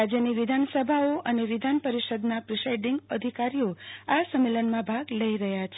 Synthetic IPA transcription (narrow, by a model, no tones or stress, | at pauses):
ad͡ʒjəniʋɪd̪ʱansəbʱaoʔəneʋid̪ʱanpəɾiʃəd̪napɾisajɖiŋɡəd̪ʱikaɾioasəmːelənmãbʱaɡləiɾəɦjat͡ʃʰe